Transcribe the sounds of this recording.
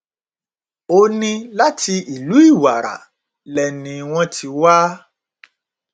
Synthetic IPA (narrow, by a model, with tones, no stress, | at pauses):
o˧˦nĩ˦la˦tʰi˧ʔi˨lu˨˦i˦˨wa̰˨ɾa̰˨ | lɛ˨nĩ˧w̃ɔ̃˧tʰi˧wa˦